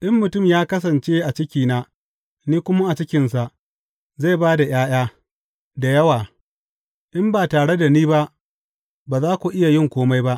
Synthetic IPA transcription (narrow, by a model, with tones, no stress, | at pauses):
ʔɪ˦mːʊ˨tʊ˦˨mjaː˦kɐ˦s̬ɐ˨nt͡ʃeː˦ʔa˨t͡ʃɪ˦kʲiː˨naː˦ | niː˦kʷʊ˦ma˦ʔa˨t͡ʃɪ˦kʲɪ˨nsa˨ʔ | za˦˨baː˦da˨j̰aː˦j̰aː˦ | da˨jɐ˦waː˨ | ʔɪ˦mbaː˨taː˨ɽe˦da˨niː˦ba˦ʔ | baː˨zaː˦kʷu˨ʔɪ˦ja˨jɪ˦˨ŋkʷoː˦ma˦jba˦ʔ